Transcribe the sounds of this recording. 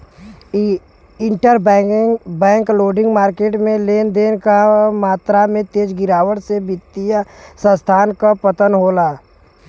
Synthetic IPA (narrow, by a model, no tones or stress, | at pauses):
ɪɳʈəɾbŋbɛ̃ːŋkloːɖɪ̃ŋɡmaːɾkeːʈmẽleːnd̪eːnkamaːt̪ɾamẽt̪eːd͡ʒɡɪɾaːwəɽsebɪt̪ːijəsə̃st̪ʰaːnkapət̪ənɦoːlaː